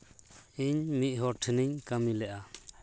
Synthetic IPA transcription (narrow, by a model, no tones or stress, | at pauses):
iɲmit̪̚ˀɦɔʈʰəniɲkamilɛʔa